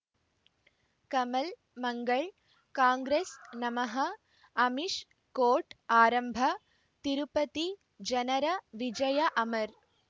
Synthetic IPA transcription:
kɐmɐl | mɐŋɡɐɭ | kaːŋɡɾeːsnɐmɐɦɐ | ɐmiʂ | koːʈaːɾɐmbʱɐ | t̪iɾupɐt̪i | d͡ʒɐnɐɾɐʋid͡ʒɐjɐʔɐmɐɾ

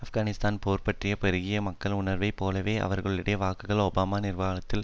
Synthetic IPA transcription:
ɐfɡaːnɪst̪aːnpoːɾpɐʈrɪjɐpɛɾɯɣɪjɐmɐkːɐɭʊɳɐɾʋɐɪpːoːlɐʋeːʔɐ̰ʋɐɾɣɐɭɪɽɐjɐʋaːkːɯɣɐɭoːbaːmaːnɪrʋaːlɐt̪ːɪl

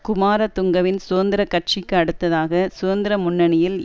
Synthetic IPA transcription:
kʊmaːɾɐt̪ːʊŋɡɐʋɪnsoːɐnd̪ɪɾɐkːɐʈ̚t͡ʃɪkːɯɐɽɯt̪ːɐðaːɣɐsʊːɐnd̪ɪɾɐmʊnːɐɳɪjɪl

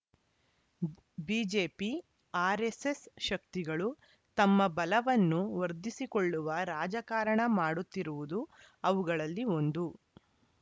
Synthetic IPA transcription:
biːd͡ʒe̞ːpi | aːɾesesʃɐkt̪iɡɐɭu | t̪ɐmːɐbɐlɐʋɐnːuʋɐɾd̪isikoɭːuʋɐɾaːd͡ʒɐkaːɾɐɳɐmaːɽut̪ːiɾuʋud̪u | ɐʋuɡɐɭɐlːio̞nd̪u

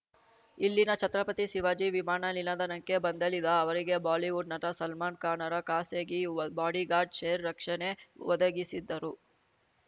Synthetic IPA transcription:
ilːinɐt͡ʃɐt̪ɾɐpɐt̪isiʋaːd͡ʒiʋimaːɳɐlilɐd̪ɐnɐŋkebɐnd̪ɐlid̪ɐːʋɐɾiɡe̞baːliʋuɖnɐt̪ɐsɐlmaːnkaːnɐɾɐkaːseːɡibaːɽiɡaːɾɖʃejɾːɐkʂɐneʋɔd̪ɐɡisid̪ːɐɾu

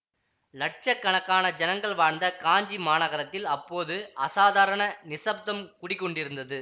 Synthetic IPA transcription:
lɐʈ̚t͡ʃɐkːɐɳɐkːaːnɐd͡ʒɐnɐŋɡɐɭʋaːɳnd̪ɐkaːɲd͡ʒimaːnɐɣɐɾɐt̪ːɪlɐpːoːðɯɐsaːðaːɾɐɳɐnɪsɐp̚d̪ɐmkʊɽɪkːɔɳɖɪɾɯnd̪ɐðɯ

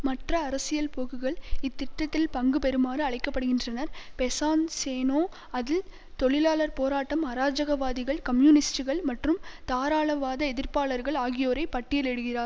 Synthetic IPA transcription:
mɐʈrɐːɾɐsɪjɐlpoːɣɯɣɐɭɪt̪ːɪʈːɐt̪ːɪlpɐŋɡɯpɛɾɯmaːɾɯɐɭɐɪkːɐpːɐɽɯɣɪndrɐnɐɾpɛsaːnseːnoː | ɐðɪl | t̪ɔɭɪlaːɭɐɾpoːɾaːʈːɐmɐɾaːd͡ʒɐɣɐʋaːðɪɣɐɭkɐmjuːnɪsʈɯɣɐɭmɐʈrɯmt̪aːɾaːɭɐʋaːðɐɛðɪɾpaːɭɐɾɣɐɭaːɣɪjoːɾɐɪpɐʈːɪjɐlɛɽɯɣɪraːɾ

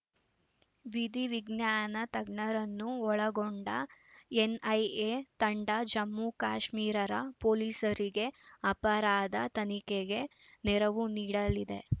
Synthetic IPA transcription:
ʋid̪iʋiɡnjaːnɐt̪ɐɡɳɐɾɐnːuɔɭɐɡoɳɖɐenɐjet̪ɐɳɖɐd͡ʒɐmːukaːʃmiːɾɐɾɐ̰poːliːsɐɾiɡe̞ɐpɐɾaːd̪ɐt̪ɐnikeɡe̞ | nɛɾɐʋuniːɽɐlid̪e̞̰

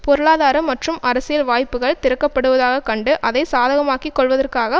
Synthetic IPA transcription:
pɔɾɯɭaːðaːɾɐmːɐʈrɯmɐɾɐsɪjɐlʋaːjpːɯɣɐɭt̪ɪɾɯkːɐpːɐɽɯʋɐðaːɣɐkɐɳɖɯʔɐðɐɪsaːðɐɣɐmaːkikːɔɭʋɐðɐrkaːɣɐ

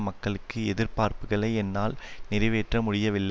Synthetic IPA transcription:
mɐkːɐɭɯkːɯɛðɪɾpaːɾpɯɣɐɭɐɪɛnːaːlnɪɾɐɪʋeːʈrɐmʊɽɪjɐʋɪlːɐ

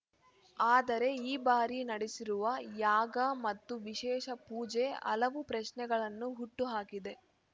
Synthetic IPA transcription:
aːd̪ɐɾe̞iːbaːɾinɐɽisiɾuʋɐjaːɡɐmɐt̪ːuʋiʃɛːʃɐpuːd͡ʒe̞ɐ̰lɐʋupɾɐʃnɛɡɐɭɐnːuɦuʈːuɦaːkid̪e̞

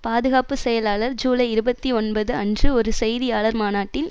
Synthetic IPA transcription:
paːðɯɣaːpɯsɛjɐlaːɭɐɾd͡ʒuːlɐɪɪɾɯbɐt̪ːiɔnbɐðɯɐndrɯɔɾɯsɛjðɪjaːɭɐɾmaːnaːʈːɪl

